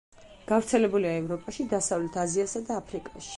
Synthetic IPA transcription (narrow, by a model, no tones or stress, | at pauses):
ɡ̥avɾt̪sʰɛlɛbuliaɛvɾɔpʼaʃid̪asavlɛt̪ʰaziasad̪aːpʰɾikʼaʃi̥